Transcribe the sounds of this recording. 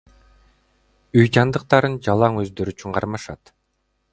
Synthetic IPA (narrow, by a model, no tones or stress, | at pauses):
yjd͡ʒɑnd̪ɯq̚t̪ɑɾɯnd͡ʒɑlˠɑŋø̞zd̪ø̞ɾyt͡ʃyɴqʰɑɾmɑʃɑt̪